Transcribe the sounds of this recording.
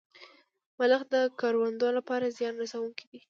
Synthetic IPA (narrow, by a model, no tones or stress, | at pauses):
maləxd̪əkɑɾwand̪olapɑɾazjɑnɾasawuŋkid̪i